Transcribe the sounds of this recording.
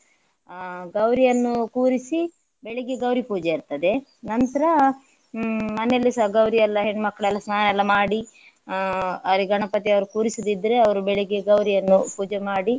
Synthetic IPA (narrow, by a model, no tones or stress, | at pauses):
ɡɐwɾijɐnːukuːɾisi | beɭeɡeɡɐwɾipuːd͡ʒeiɾt̪ɐd̪e̞nɐnt̪ɐɾɐ | mɐnelːisɐɡɐwɾijɐlːɐɦeɳːmɐkːɐɭɛlːɐsnaːnɐɛlːɐmaːɽi | ɐɾiɡɐɳɐpɐt̪̬iɐʋɐɾukuːɾisid̪id̪ɐɾeɐʋɐɾubeɭeɡeɡɐwɾijɐnːupuːd͡ʒemaːɽi